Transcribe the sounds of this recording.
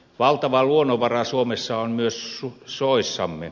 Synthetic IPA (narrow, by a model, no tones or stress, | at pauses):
ʋɑlt̪ɑʋɑluonoʋɑrɑsuomesːɑonmyøsusoˑisːɑmːḛ